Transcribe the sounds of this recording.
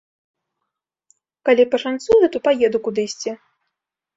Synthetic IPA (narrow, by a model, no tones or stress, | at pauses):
kalʲipɐʂant̪sujɛt̪ɔpajɛd̪ukud̪ɨjsʲt͡sʲi